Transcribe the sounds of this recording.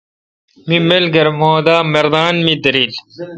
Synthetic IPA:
mimelɡɐɾmoːd̪aːmɐɾd̪aːnmid̪ɐɾiːl

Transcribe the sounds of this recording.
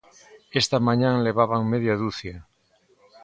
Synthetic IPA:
est̪amaɲanle̞β̞aβaŋmeðjaðuθje

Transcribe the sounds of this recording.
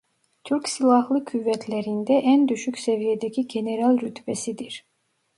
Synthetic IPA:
t̪ʰyɾcsilˠɑɦlˠɯkʰyvɛt̪ʰlɛɾind̪ɛʔænd̪yʃycʲsɛvijɛd̪ɛcʰiɟeneɾalˠɾyt̪ʰbɛsid̪iɾ̥

